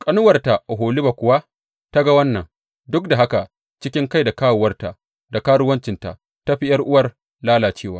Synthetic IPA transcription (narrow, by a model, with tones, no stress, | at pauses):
kʼɐ˦nʊ˦wɐ˨rta˨ʔɔ˨ɦoː˨li˦ba˨kʷʊ˨wa˦ | ta˦ɡa˦wɐ˦nːɐ˨ŋ | dʊ˦k̚da˨ɦa˦ka˨ | t͡ʃɪ˦kʲɪ˦ŋka˦˨jda˨kaː˦wʊ˨wɐ˦rta˨ | da˨kaː˦ɽʊ˦wɐ˦nt͡ʃɪ˨nta̰˨ | ta˦ɸi˦jɐ˦rʔʊ˦wɐ˦r | laː˦laː˨t͡ʃeː˦˨waː˦